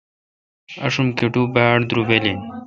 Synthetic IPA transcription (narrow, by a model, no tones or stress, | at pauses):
ɐ̰ʂumt̪iʈuːbaːɽd̪ɾuʋelin